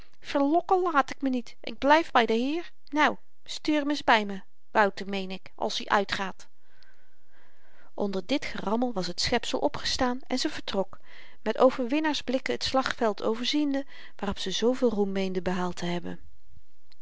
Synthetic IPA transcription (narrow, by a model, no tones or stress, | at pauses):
fəɹlɔkəlaːtɪkmənitʔɪ̰ɡ̚blɛjvbɛjdəɦɪːɹ | naw | styːɹmɪzbɛjmə | ʋʌwtəmejnɪkʔɑ̰lˠsiʔœɥtχaːt | ʔɔndəɹdɪtχərɑməlˠʋɑsɦətsχɛpsəlˠʔɔpχə̥staːnɛ̰nzəvəɹtrɔk | mɛtowvəɹʋɪnaːɹzblɪkəətslɑχfɛlˠtʰowvəɹzində | ʋaːrɔpsəzowvɪːlˠrumːejndəbəɦaːlˠtəɦɛbə̰n